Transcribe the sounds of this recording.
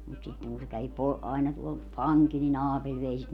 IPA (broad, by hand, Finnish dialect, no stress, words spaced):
mut sitːeŋ kun se kæʋi po ɑinɑ tuol pɑŋkil nin ɑːpelʲ ʋei sit